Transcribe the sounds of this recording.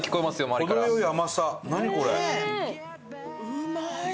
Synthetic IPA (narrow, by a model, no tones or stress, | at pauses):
kʲi̥ko̞emasɨjomaɾiokd̪ojoiamasanaɲ̟iko̞ɾe